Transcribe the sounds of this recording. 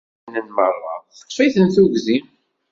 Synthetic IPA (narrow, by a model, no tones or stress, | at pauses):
nənmərˤːɑ̰θə̥qːfiθənθuʝzim